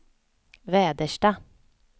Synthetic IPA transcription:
ʋeːd̪əʃʈɑː

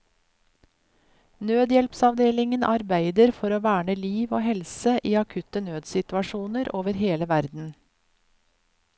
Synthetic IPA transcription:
nøːd̪jɛlpsɑʋd̪eːlɪŋənʔɑɾbæɪd̪əɾfɔɾoːʋæːɳəliːʋoːhɛlsəʔiːɑkʰʉt̪ənøːd̪sɪt̪ʉɑʃuːnəɾʔoːʋəɾheːləʋæɾd̪n̩

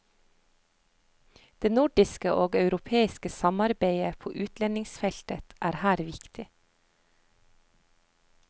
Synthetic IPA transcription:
d̪̥eːnʊɖɪskəʔoːɡɑʉɾʊpʰeːɪskəsɑmɑɾbeɪəpʰo̰ːʔʉːt̪lɛnɪŋsfɛlt̪ət̪ʔæːɾhæːɾʋɪkt̪ɪ

